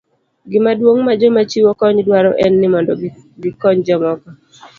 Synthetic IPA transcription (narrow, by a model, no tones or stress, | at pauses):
ɡɪmadwoŋmad͡ʒɔmat͡ʃiwokɔɲdwaɾɔ̰ʔɛnːɪmɔndɔ | ɡɪkɔɲd͡ʒɔmɔkɔ